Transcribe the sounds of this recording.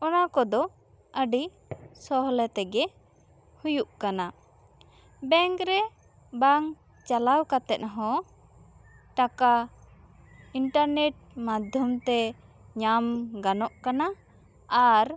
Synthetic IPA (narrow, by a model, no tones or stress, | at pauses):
ɔnakɔd̪ɔ | əɖi | sɔɦɔlɛt̪ɛɡɛ | hujuʔkana | bɛŋkɾɛ | baŋ | t͡ʃalawkat̪ɛt̪̚ɦɔ̃ | ʈaka | iɳʈaɾnɛʈ̚mad̪ʱjɔmt̪ɛ | ɲamɡanɔʔkana | aɾ